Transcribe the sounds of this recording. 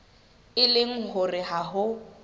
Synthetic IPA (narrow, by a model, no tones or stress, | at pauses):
ɪlɪŋ̩ɦʊrɪɦaɦʊ